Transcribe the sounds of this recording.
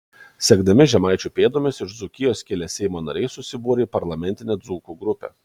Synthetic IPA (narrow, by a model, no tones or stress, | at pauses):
sʲɛɡd̪ɐmʲɪʒʲɛmɐˑɪt͡ʃʲupʲeːd̪oːmʲesɪʃd̪zʊkʲɪjoːsʲkʲɛlʲɛsʲɛɪmoːnɐ̰ɾʲɛɪsʊsʲɪbuːɾʲeipɐɾlˠɐmʲɛnʲt̪ʲɪnʲeːd̪zuːkuːɡɾʊpʲɛ̰ː